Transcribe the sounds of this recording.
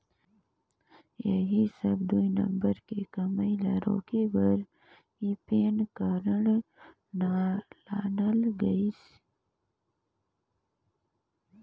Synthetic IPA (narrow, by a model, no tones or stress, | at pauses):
jeɦisɐbd̪uinɐ̰̃mbəɾkekɐmailaːɾo̰ːkibəɾ | ipeːnkaːɾəɳ | nalaːnəlɡɐis